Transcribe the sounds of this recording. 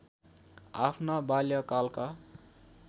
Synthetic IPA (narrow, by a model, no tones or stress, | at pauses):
apʰnabaljʌkalka